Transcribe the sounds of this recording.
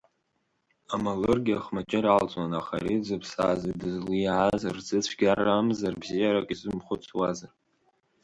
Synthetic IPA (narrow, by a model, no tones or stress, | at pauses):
amalɨrɡʲaχmat͡ʃʼɪɾalt͡sʼanaχa̰ɾid͡zɨpʰsa̰ːzadɨzluʕazrd͡zɨt͡sʷʰɡʲarːamzarbzijaɾakʲʼizɨmχʷʊt͡sʰwazar